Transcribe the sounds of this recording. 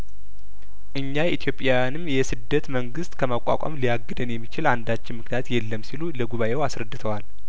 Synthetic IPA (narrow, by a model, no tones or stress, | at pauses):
ʔɨɲːait̪ʰjo̞pʼjajanɨmjɛsɨd̪ːət̪məŋɡɨst̪kʰəmakʷʼa̰kʷʼa̰mlijaɡːɨd̪ɨnjɛmːit͡ʃɪland̪at͡ʃːɪnmɨknijat̪jɛlːəmːsiluləɡuβaʔewasɾəd̪ːɨt̪ʰəwal